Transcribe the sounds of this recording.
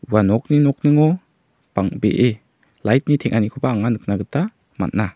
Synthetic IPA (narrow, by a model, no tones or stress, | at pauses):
uwanɔk̚ninɔk̚nɯŋɔ | b̥aŋbeʔe | lajt̚nitʰeŋʔanikʰɔbaːŋanɯk̚naɡɯta | ma̰t̚na